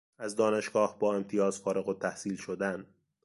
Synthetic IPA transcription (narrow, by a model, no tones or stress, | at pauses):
æzd̪ɒːne̞ʃɡ̥ɒːhbɒːe̞mt̪ʰijɒːzfɒːɾe̞ɣot̪ʰæhsiːlʃod̪æn